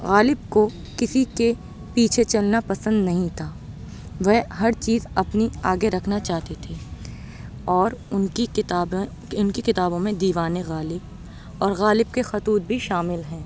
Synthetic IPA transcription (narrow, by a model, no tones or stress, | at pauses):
ɣaːlɪb̚ko | kɪsike | piːt͡ʃʰet͡ʃɐlnapɐsə̃nd̪nɐɦĩt̪ʰaː | ʋɛɦɦɐɾt͡ʃiːzɐpniaːɡeɾɐkʰnat͡ʃaːɦt̪et̪ʰeː | ɔːɾʊnkit̪ːb | ʊnkikɪt̪aːbõmẽd̪iːʋaːneɣaːlɪb̚ | ɔːɾɣaːlɪb̚kexɐt̪uːt̪̚bʱiʃaːmɪlɦɛ̃ː